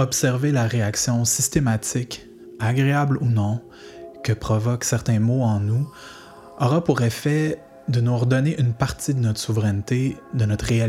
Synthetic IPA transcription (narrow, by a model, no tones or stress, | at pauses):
ɔpsɛʁvelaʁeaksjɔ̃sist̪emat̪ɪk | aɡʁeablunɔ̃ | kəpχɔvɔksɛʁt̪ɛ̃moɑ̃nu | ɔʁapuʁefɛ | d̪ənuɔʁd̪ɔneʔynpaʁt̪id̪ənɔt̪χsuvʁɛnt̪ed̪ənɔt̪χʁeal